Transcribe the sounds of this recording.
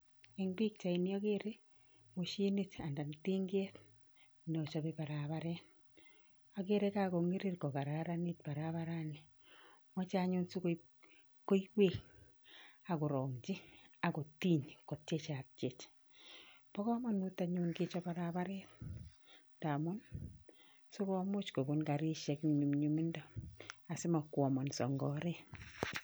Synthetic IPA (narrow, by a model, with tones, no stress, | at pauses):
ɛ˨ŋbi˦k̚t͡ʃa˨i˨ni˦ɔ˦ɡe˦ɾe˦ | mo˨ʃi˦ni˦ta˨nda˨n˨ti˦ŋɡe˦t | nɔ˨t͡ʃɔ˨bepa˨ɾa˨βa˦ɾɛt̚ | ɔ˨ɡe˦ɾe˦ka˦ko˨ŋe˦ɾi˦ɾkɔ˨ka˨ɾa˨ɾani˦t̚pa˨ɾaβa˦ɾani˨ | mɔ˦t͡ʃa˦ɲʊ˦nsu˦ko | ko˦iwe˦k | a˨kʊ˨ɾɔ˨ŋd͡ʒi˦a˨ko˨ti˦ɲkɔ˨tt͡ʃe˦t͡ʃa˨p̚t͡ʃe˨t͡ʃ | pɔ˦kɔ˦mɔ˦nu˦ta˨ɲu˦nkɪ˦t͡ʃɔ˦pa˦ɾa˦pa˦ɾɛːt̚ | da˨mʊ˦n | su˦kɔ˦mo˦t͡ʃko˨bo˦nka˨ɾi˦ʃɛ˨kni˨ɲu˨mɲu˨mi˦ndɔ˦a˨sɪ˦ma˨kwɔ˨mɔ˨nsɔ̰˨ŋɡɔ˨ɾɛ˦